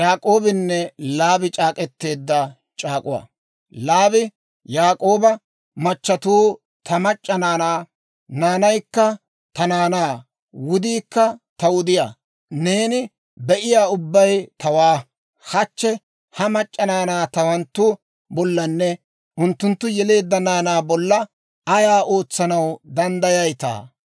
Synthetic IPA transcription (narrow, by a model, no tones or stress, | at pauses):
jaːkʼo̞ːbɪnːɛlaːbɪt͡ʃʼaːkʼɛt̪ːe̞ːd̪ːɐ | t͡ʃʼaːkʼʊwa̰ː | laːbɪ | jaːkʼo̞ːbɐ | mɐt͡ʃːɐt̪uː | t̪ʰɐmɐt͡ʃʼːɐnaːnaː | naːnɐjkːɐ | t̪ɐnaːnaː | wʊd̪iːkːɐt̪ɐwʊd̪ɪjaː | ne̞ːnɪ | bɛʔɪjaːʊbːɐjt̪ɐwaː | hɐt͡ʃːɛ | hɐmɐt͡ʃʼːɐnaːnaːt̪ɐwɐnt̪ːʊ | bɔlːɐnːɛ | ʔʊnt̪ːʊnt̪ːʊjɛle̞ːd̪ːɐnaːnaːbɔlːɐ | ɐjaːʔo̞ːt͡sːɐnɐwd̪ɐnd̪ɐjɐjt̪a̰ː